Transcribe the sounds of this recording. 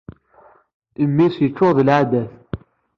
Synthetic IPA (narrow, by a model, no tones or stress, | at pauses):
imːisjət͡ʃːʊʁðəlʕad̪æθ